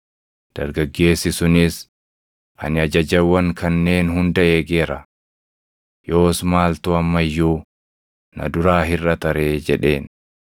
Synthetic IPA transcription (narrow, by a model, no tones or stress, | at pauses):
d̪̥ɐ̰ɾɡɐɡːe̞ːsːɪsʊnɪs | ʔɐ̰nɪɐd͡ʒɐd͡ʒɐwːɐŋkɐnːe̞ːnɦʊnd̪ɐeːɡeːɾɐ | jo̞ːsmaːlt̪uɐmːɐjːuː | nɐ̰d̪ʊɾaːɦɪrːɐt̪ɐɾe̞ːd͡ʒɛᶑe̞ːn